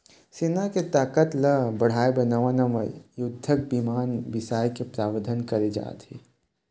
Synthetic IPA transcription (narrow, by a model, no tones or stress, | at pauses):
senaket̪aːkət̪ləbɐɽ̤aːebɐnaʋanɐmə̰jʊd̪ʱːək̚bimaːnʋɪsaːjkepɾaːʋəɾd̪ʱənkɐɾed͡ʒa̰ːt̪ɦeː